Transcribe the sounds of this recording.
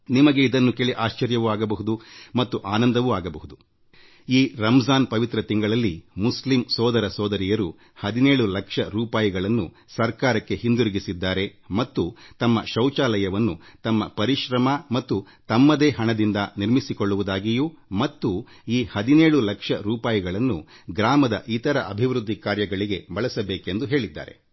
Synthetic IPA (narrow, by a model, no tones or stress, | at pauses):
nimɐɡe̞id̪ɐnːukeːɭiʔaːʃt͡ʃɐɾjɐʋuaːɡɐbɐɦud̪umɐt̪ːuʔaːnɐnd̪ɐʋuaːɡɐbɐɦud̪u | iːɾɐmzaːnpɐʋit̪ɾɐt̪iŋɡɐɭɐlːimuslimsɔːd̪ɐɾɐsɔːd̪ɐɾijɐɾu | hɐd̪ineːɭulɐkʂɐɾuːpaːjiɡɐɭɐnːṵ | sɐɾkaːɾɐkːe̞hind̪uɾiɡisid̪ːaːɾe̞mɐt̪ːut̪ɐmːɐʃɐwt͡ʃaːlɐjɐʋɐnːut̪ɐmːɐpɐɾiʃɾɐmɐmɐt̪ːu | t̪ɐmːɐd̪eːɦɐɳɐd̪ind̪ɐniɾmisikoɭːuʋud̪aːɡijumɐt̪ːu | iːhɐd̪ineːɭulɐkʂɐɾuːpaːjɐɡɐɭɐnːu | ɡɾaːmɐd̪ɐ̰ʔit̪ɐɾɐʔɐbʱiʋɾud̪ʱːikaːɾjɐɡɐɭiɡe̞bɐɭɐsɐbeːke̞nd̪uɦe̞ːɭid̪ːa̰ːɾe̞̰